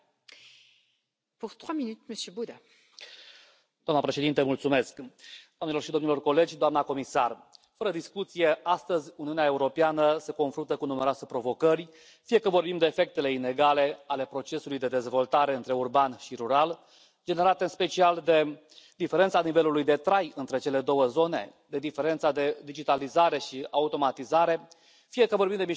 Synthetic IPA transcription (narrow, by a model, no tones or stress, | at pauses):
puʁt̪χwaminyt̪məsjøbud̪a | d̪oamnəpɾeʃe̞d̪int̪əmult̪sume̞skd̪̥oamnelo̞rʃid̪onilo̞rko̞le̞d͡ʒʲd̪oamnako̞misar | fəɾəd̪iskut̪sije̞ʔast̪əzʲuniuneae̞uɾo̞peanəse̞ko̞nfɾunt̪əkunume̞ɾoasepɾo̞vo̞kərʲ | fije̞kəvo̞rbimd̪e̞ːfe̞k̚t̪e̞le̞ine̞ɡale̞ale̞pɾo̞t͡ʃe̞sulujd̪e̞d̪e̞zvo̞lt̪aɾe̞ɨnt̪ɾe̞urbanʃiɾuɾal | d͡ʒe̞ne̞ɾat̪e̞ɨnspe̞t͡ʃiald̪e̞ | d̪ife̞ɾe̞nt̪sanive̞lulujd̪e̞t̪ɾajɨnt̪ɾe̞t͡ʃe̞le̞d̪o̞wəzo̞ne̞̰d̪e̞d̪ife̞ɾe̞nt̪sad̪e̞d̪id͡ʒit̪alizaɾe̞ʃiaut̪o̞mat̪izaɾe̞ | fije̞kəvo̞rɾbimd̪emi